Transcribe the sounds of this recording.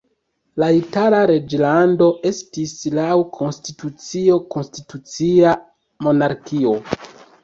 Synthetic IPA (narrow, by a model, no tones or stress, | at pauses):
laitalaɾe̞d͡ʒlando̞ʔe̞stislawkʰo̞nstitut͡sio̞ko̞nstitut͡sia | mo̞naɾkio̞